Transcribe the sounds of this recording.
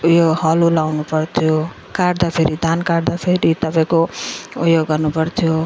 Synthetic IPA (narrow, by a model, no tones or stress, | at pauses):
ujoɡhʌlulawnupʌrt̪ʰjo | kaɽd̪apʰeɾid̪ʱankaɽd̪apʰeɾit̪ʌpaĩkoujoɡʌrnupʌrt̪ʰjo